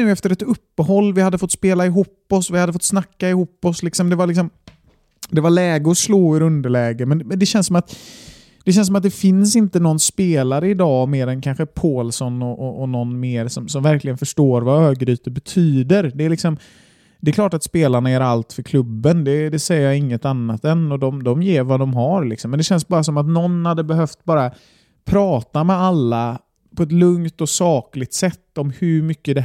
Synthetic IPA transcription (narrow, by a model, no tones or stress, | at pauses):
ʉ̟ːɛft̪əɾɛt̪ɵpːəhɔlːvɪhad̪ːəfɔt̪ːspeːlaɪɦuːpːɔsvɪhad̪ːəfɔt̪ːsnakːaɪhuːpːɔslɪksɔmd̪ɛvaɭɪksɔm | d̪ɛvaɭɛːɡəɔsloːɵɾɵnd̪əɭɛːɡəmɛnmɛnd̪ɛɕɛnsːɔmat̪ | d̪̥ɛɕɛnsɔmat̪̚d̪ɛfɪnsɪnt̪ənɔnːspeːlaɾəɪd̪ɑːmeːɾɛnkʰanɧəpʰoːlsɔnɔʔɔʔɔnɔnːmeːɾsɔmsɔmvæɾklɪɡənfœʂʈoːɾvaøːɡɾyːt̪əbɛt̪ʰyːd̪əɾd̪ɛːlɪksɔm | d̪ɛkʰlɑːʈat̪speːlaɳaæɾalt̪fœɾkʰlɵbːənd̪ɛd̪ɛsɛjːəɾjɑɪŋːət̪anːat̪ɛnːɔd̪ɔmd̪ɔmjeːɾvad̪ɔmɦaɾlɪksɔmːɛnd̪ɛɕɛnsbɑːɾas̬ɔmat̪nɔnːhad̪ːəbɛɦœft̪̚bɑːɾa | pʰɾɑːt̪amɛalːa | pʰɔɛt̪lɵŋt̪ɔsɑːklɪɡ̚t̪sɛt̪ːɔmhɵɾmʏkːəd̪ɛ